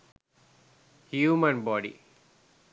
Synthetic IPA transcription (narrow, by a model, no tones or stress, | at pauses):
hjuːmə̃nbɔːɖḭ